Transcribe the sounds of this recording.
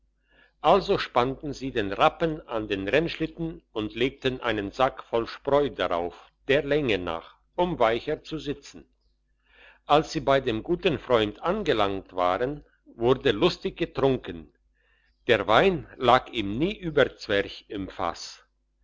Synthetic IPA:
ʔalzoʃpantn̩ziːdeːnʁapənandeːnʁɛnʃlɪtn̩ʊntʰleːk̚tənʔa̰ɪnənzakfɔlʃpʁɔʏdaʁa̰ʊf | d̥eːɐlɛŋəna̰ːχ | ʔʊmvaɪçət͡suzɪt͡sn̩ | ʔalsz̥iːbaɪdeːmɡuːtn̩fʁ̥ɔʏntʔanɡəlaŋtv̥a̰ːʁən | vʊʁdəlʊstɪçɡ̥ətʁ̥ʊŋkən | d̥eːɐvaɪnlaːkiːmniːʔyːbɐt͡sv̥ɛɐçɪmfa̰s

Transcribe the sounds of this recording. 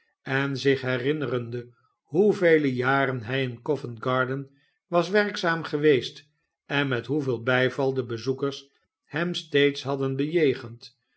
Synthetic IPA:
ɛnzɪχɦɛrɪnərəndə | ɦuvejləjaːɾənɦɛjɪnkɔfənɡɑɹdən | ʋɑsʋɛrksaːmχəʋejst | ɛnmɛtɦuveːlˠbɛjvɑlˠdəbəzukəɹs | hɛmstejtsɦɑdənbəjejχənt

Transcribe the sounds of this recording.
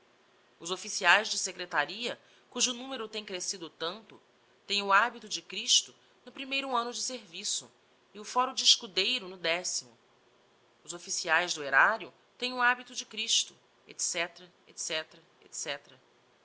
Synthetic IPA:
ʊzofisiajzd͡ʒɪsekɾet̪aɾiɐ | kuʒʊnũmeɾʊt̪ẽj̃kɾesid̪ʊt̪ɐ̃nt̪ʊ | t̪ẽj̃ʊabit̪ʊd͡ʒɪkɾiʃt̪ʊ | nʊpɾimejɾʊɐ̃nʊd͡ʒɪseɾvisʊ | ɪʊfɔɾʊd͡ʒɪiʃkud̪ejɾʊnʊd̪ɛsimʊ | ʊzofisiajzd̪ʊeɾaɾjʊ | t̪ẽj̃ʊabit̪ʊd͡ʒɪkɾiʃt̪ʊ | ḛt̪sɛt̪ɾɐ | ḛt̪sɛt̪ɾɐ | ḛt̪sɛt̪ɾɐ

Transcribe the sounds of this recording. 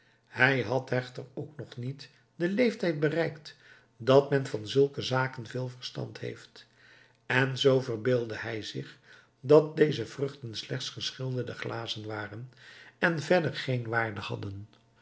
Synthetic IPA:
hɛjɦɑtɦɛχtərowknɔχnit | dəlejftɛjt̚bərɛjkt | dɑtmɛnvɑnzɵlˠkəzaːkənvɪːlˠvərstɑ̰ntɦḛjft | ɛnzowvərbɪːlˠdəɦɛjzɪχ | dɑt̚dejzəv̥rɵχtənslɛχtsχəsχɪlˠdədəχlʔaːzənʋaːrənɛnvɛdəɹχejnʋaːɹdəhɑ̰dən

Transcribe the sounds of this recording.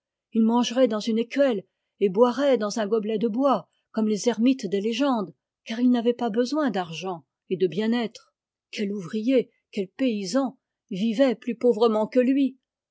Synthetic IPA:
ilmɑ̃ʒʁɛd̪ɑ̃zynekʲɥɛl | ebwaʁɛd̪ɑ̃zɛ̃ɡɔblɛd̪əbwa | kɔmlezɛʁmit̪d̪eleʒɑ̃d̪ | kaʁilnavɛpabəzwɛ̃d̪aʁʒɑ̃ | ed̪əbjɛ̃nɛt̪χ | kʲɛluvʁije | kʲɛlpeizɑ̃ | vivɛplypovʁəmɑ̃kəlɥi

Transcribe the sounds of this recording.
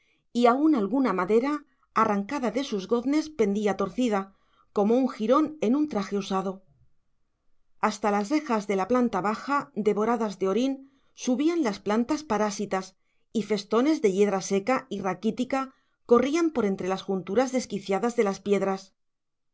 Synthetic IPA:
iaunalɣunamaðe̞ɾaː | raŋkaðaðe̞suzɣo̞ðne̞spe̞nd̪iat̪o̞ɾθiða | ko̞mo̞uŋxiɾo̞ne̞nũnt̪ɾaxe̞usaðo̞ | ast̪alasre̞xazðe̞laplant̪aβaxad̪e̞βo̞ɾaðazðe̞o̞ɾin | suβianlasplant̪aspaɾasit̪as | ife̞st̪o̞ne̞zðe̞ʎe̞ðɾase̞kairakit̪ika | ko̞riampo̞ɾe̞nt̪ɾe̞lasxunt̪uɾazðe̞skiθjaðazðe̞laspje̞ðɾas

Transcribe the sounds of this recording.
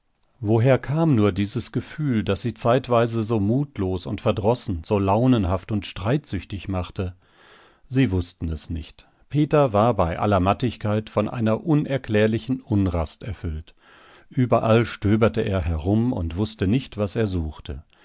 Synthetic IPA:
voɦeːɐkʰaːmnuːɐdiːzəsɡ̥əfyːldasz̥iːt͡saɪtv̥aɪzəzoːmuːtʰloːsʊntfɛɐdʁɔsn̩z̥oːlaʊnənɦaftʊntʃtʁ̥aɪtz̥ʏçtɪçmaχtə | ziːvʊstn̩ɛsnɪ̰çt | pʰeːtɐvaːɐbaɪʔa̰lɐmatɪçkʰaɪtfɔnʔa̰ɪnɐʔʊnɛɐkl̥ɛːɐlɪçn̩ʔʊnʁastɛɐfʏlt | ʔyːbɐʔalʃtøːbɐtəʔeːɐɦɛʁʊmʊ̰ntv̥ʊstənɪçtv̥aseːɐzuːxtʰə

